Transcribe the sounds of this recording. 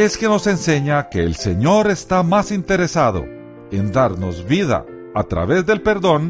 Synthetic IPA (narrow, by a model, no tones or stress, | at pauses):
e̞ske̞no̞se̞nse̞ɲake̞ːlse̞ɲo̞ɾe̞st̪amasint̪e̞ɾe̞saðo̞̰ | e̞nd̪aɾno̞zβiða̰ | at̪ɾa̰βe̞zd̪e̞lpe̞ɾðo̞n